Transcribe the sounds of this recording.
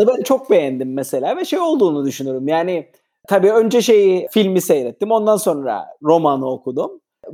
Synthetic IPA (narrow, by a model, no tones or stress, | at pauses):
abenɛt͡ʃʰo̞k̚be̞jænd̪imːɛse̞lʲaːvɛʃejo̞lˠd̪uːnud̪yʃynyoɾumjaːnɪ | t̪ʰabiːø̞nd͡ʒɛʃe̞jifilʲmisejɾɛt̪ːimo̞nd̪anso̞nɾa̰ɾo̞manɯokʰud̪um